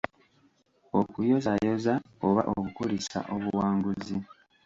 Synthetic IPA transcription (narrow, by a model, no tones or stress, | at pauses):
okujo̞zajo̞zaoβa̰ʔokukulisa̰ʔoβuwaːŋɡuzi